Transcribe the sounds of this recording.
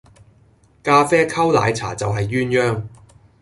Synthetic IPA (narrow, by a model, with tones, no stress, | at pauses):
kaː˧fɛː˥kʰɐ˥wla̰ː˨˧jt͡sʰa̰ː˨˩t͡sɐ˨wɦɐ˨jːyː˥njœː˥ŋ